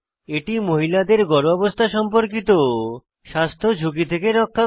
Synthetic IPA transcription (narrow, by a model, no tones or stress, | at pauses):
eʈimoɦilad̪eɾɡɔɾɔbost̪ʰaʃɔmpoɾk̬it̪o | ʃast̪ʰod͡ʑʱukit̪ʰekeɾɔkʰːa